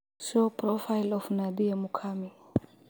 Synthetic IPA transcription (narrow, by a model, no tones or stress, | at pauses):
sopɾɔfajlɔfnad̪iamukʰami